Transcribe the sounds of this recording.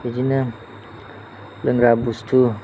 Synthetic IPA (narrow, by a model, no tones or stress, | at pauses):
id͡ʒinə | ləŋɾabust̪ʰu